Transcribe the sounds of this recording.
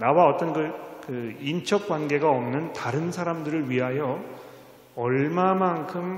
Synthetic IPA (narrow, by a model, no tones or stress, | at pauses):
nawaʌt͈ʌnɡɯkɯint͡ɕʰʌk̚k͈wanɡe̞ɡaʌmnɯntaɾɯnsʰaɾamdɯɾɯɭɥiɦajʌ | ʌɭmamankʰɯm